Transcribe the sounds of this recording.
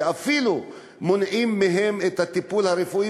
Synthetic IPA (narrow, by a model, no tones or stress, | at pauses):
afilu | monʔimːeɦe̞met̪hat̪ipulhaɾefui